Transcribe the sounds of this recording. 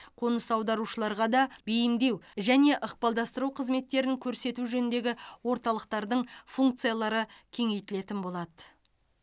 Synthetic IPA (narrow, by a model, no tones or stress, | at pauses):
qʰo̞nəsɑwd̪ɑɾuʃəlˠɑɾʁɑd̪ɑbejɪmd̪e̞wʒæne̞ʔəqpɑlˠd̪ɑst̪əɾuqʰəzme̞t̪ːe̞ɾɪŋkʲʰɵɾse̞t̪uʒɵnɪnd̪e̞ɡʲɪwo̞ɾt̪ɑlˠəq̚t̪ɑɾd̪əɴfuŋk̚t̪sɨijalˠɑɾəkʲʰe̞ŋe̞jt̪ɪle̞t̪ɪnbo̞lˠɑd̪ə